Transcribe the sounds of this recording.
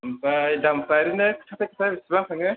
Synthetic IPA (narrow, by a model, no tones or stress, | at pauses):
mpajdampaɾinɯkʰɯ̥tʰatʰajkʰɯ̥tʰabisibaŋkʰaŋɯ